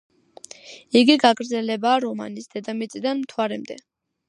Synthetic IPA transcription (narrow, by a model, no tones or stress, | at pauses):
iɡiɡaɡɾd̪zɛlɛbaːɾɔma̰nisd̪ɛd̪amit̪sʼid̪anmt̪ʰwaɾɛmd̪ɛ̰